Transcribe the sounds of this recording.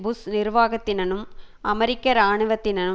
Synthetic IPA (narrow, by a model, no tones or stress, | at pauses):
bʊsnɪɾʋaːɣɐt̪ːɪnɐnɯmʔɐmɛɾɪkːɐɾaːɳɯʋɐt̪ːɪnɐnɯ